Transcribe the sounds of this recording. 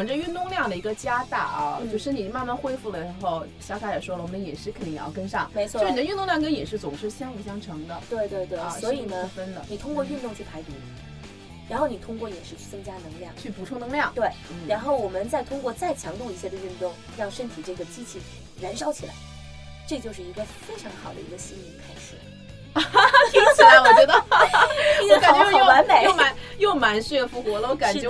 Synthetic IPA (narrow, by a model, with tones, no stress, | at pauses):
ʈ͡ʂə˧y˥˧nt̪ʊ˥˧ŋljɑ˥˩ŋd̪ə˩i˧˥ɡə˧t͡ɕja˥t̪a̰˥˩ʔɐ̰˧t͡ɕo˥˧ʊʂɻ̩˥˩ni˨˩ma˥˧nma˥˧nxwe˥ɪfu˥˩lə˩ɻxo˥˩ʊ | ɕjt̪ʰa˥˩jɛ˨˩ʂwɔ˥lə˨wɔ˨˩mə˥n˧jɛ˨˩nʂɻ̩˥kʰni˥˩jɑ˥˧ʊkə˥nʂɑ˥˩ŋe˧˥t͡ɕʰw̩˥˧˥n˨˩˦y˥˧nt̪ʊ˥˧ŋljɑ˥˩ŋk̬ə˥njɛ˨˩nʂɻ̩˥˩t͡sʊ˨˩ŋʂɻ̩˥˩ɕjɑ˥ŋi˨˩ɕjɑ˥˩ŋʈ͡ʂʰɤ˧˥ŋd̪ə˧t̪we˥˧ɪt̪we˥˧ɪt̪we˥˩˧swɔ˧˥i˨˩nə˦˥˩fə˥nd̪ə̰˨ni˨˩t̪ʰʊ˥ŋkwɔ˥˧˥nt̪ʊ˥˧ŋt͡ɕʰy˥˩p̪ʰa˧˥ɪt̪u˧˥ | ɻa˧˥nxo˥˩ʊni˨˩t̪ʰʊ˥ŋkwɔ˥˩jɛ˨˩nʂɻ̩˥˩t͡ɕʰy˥˩t͡sɤ˥ŋt͡ɕja˥nɤ˧˥ŋljɑ˥˩ŋt͡ɕʰy˥˩pu˧˥ʈ͡ʂʰʊ˥ŋnɤ˧˥ŋljɑ˥˩ŋt̪we˥˩ɪ˩ɻa˧˥nxo˥˩ʊwɔ˨˩mə˦nt͡sa˥˩ɪt̪ʰʊ˥ŋkwɔ˥˧t͡sa˥˩ɪt͡ɕʰjɑ˧˥ŋt̪u˥˩i˧˥ɕja˥˩d̪ə˨y˥˧nt̪ʊ˥˩ŋɻɑ˥˧ŋʂə˥nt̪ʰi˨˩ʈ͡ʂɤ˥˩ɡə˩t͡ɕi˥t͡ɕʰi˥˩ | ɻə˧˥nʂɑ˥ʊt͡ɕʰi˨˩la̰˧˥ɪ | ʈ͡ʂɤ˥˧t͡ɕjo˥˧ʊʂ̬ɻ̩˥˩i˧˥ɡə˧fe˥ɪʈ͡ʂʰɑ˧˥ŋxɑ˨˩ʊd̪ə̰˦˧i˧˥ɡə˧ɕi˥ni˧˥˩ŋkʰa˥ɪʂɻ̩˨˩ | i˥ɕwɔ˨t͡ɕɥɛ˧˥d̪ə˧ | ɔ˧˥ka˨˩nt͡ɕɛ˥wa˧˥nme˨˩˦jo˥˧ʊma˧˥˦njo˥˩ʊma˧˥nɕy˥ɛ˥˩fu˧˥xwɔ˧˥lə˧wɔ˧˥˦ka˨˧˩n˥ɛ˧˥